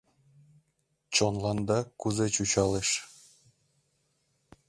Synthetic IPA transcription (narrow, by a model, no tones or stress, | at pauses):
t͡ɕonlˠɑnd̪ɑkuzet͡ɕut͡ɕɑleʃ